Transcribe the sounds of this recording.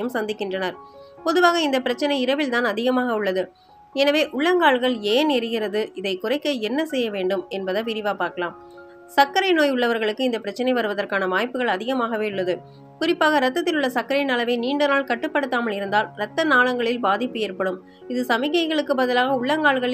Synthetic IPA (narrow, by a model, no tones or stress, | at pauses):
jɯmsɐnd̪ɪkːɪndrɐnɐɾpɔðɯʋaːɣɐɪnd̪ɐpːɪɾɐt͡ʃːɐnɐɪɪɾɐʋɪlt̪aːnɐðɪɣɐmaːɣɐʊɭːɐðɯ | ɛnɐʋeːʔʊɭːɐŋɡaːɭɣɐɭeːnɛɾɪɣɪrɐðɯɪðɐɪkʊrɐɪkːɐɛnːɐsɛjːɐʋeːɳɖɯmɛnbɐðɐʋɪɾɪʋaːpaːɾkɐlaːm | sɐkːɐɾɐɪnoːjʊɭːɐʋɐɾɣɐɭɯkːɯɪnd̪ɐpːɪɾɐt͡ʃːɐnɐɪʋɐɾɯʋɐðɐrkaːnɐʋaːjpɯɣɐɭɐðɪɣɐmaːɣɐʋeːʊɭːɐðɯ | kʊɾɪpːaːɣɐɾɐt̪ːɐt̪ːɪlɯɭːɐsɐkːɐɾɐɪnɐlɐʋeːniːɳɖɐnaːɭkɐʈːɯpːɐɽɯt̪ːaːmɐlɪɾɯnd̪aːlɾɐt̪ːɐnaːɭɐŋɡɐɭɪlbaːðɪpːɯeːɾpɐɽɯm | ɪðɯsɐmɪɣɐɪɣɐɭɯkːɯbɐðɐlaːɣɐʊɭːɐŋɡaːɭɣɐɭɪ